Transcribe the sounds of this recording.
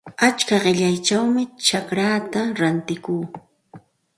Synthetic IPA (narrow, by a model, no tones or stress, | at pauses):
at͡ʃkaɢɪʎajt͡ʃawmɪt͡ʃakɾaːt̪aɾant̪ɪkuː